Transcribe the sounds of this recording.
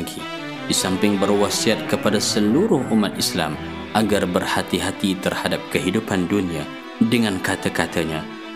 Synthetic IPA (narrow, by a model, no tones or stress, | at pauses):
ɡi | disampɪŋbərwasiat̪̚kəpadasəluɾʊhumat̪isla̰m | ʔaɡarbərhat̪iɦat̪it̪ərhadap̚kəɦidupandunia | dəŋankat̪akat̪aɲa